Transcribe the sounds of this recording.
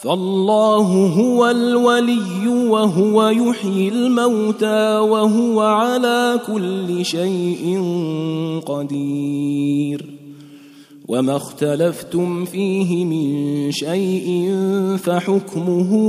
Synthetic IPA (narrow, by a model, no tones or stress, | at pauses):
faʔlˤːɑːɦʊɦʊwalwalɪjːʊwaɦʊwajʊħjɪlmawt̪aːwaɦʊwaʕalaːkʊlːɪʃajʔɪn | qɑd̪iː | ɾ | wʔamaxt̪alaft̪ʊmfiːɦɪmɪnʃajʔɪnfaħʊkmʊɦʊ